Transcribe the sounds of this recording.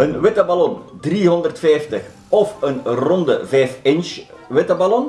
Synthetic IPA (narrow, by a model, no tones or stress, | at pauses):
ənʋɪtəbalɔndriːɦɔndərtfɛjftəx | ɔfənrɔndəvɛːfɪns | ʋɪtəbalɔn